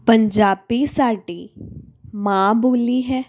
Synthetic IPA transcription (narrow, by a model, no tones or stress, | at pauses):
pəɲd͡ʒaːbiːsaːʈiː | mãːboːliːɦɛː